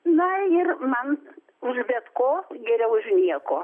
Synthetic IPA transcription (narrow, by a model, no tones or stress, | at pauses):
nʊɪrmɐn | ʊʒʲbʲɛt̪koːɡʲɛɾʲɛʊʒʲnʲiɛkoː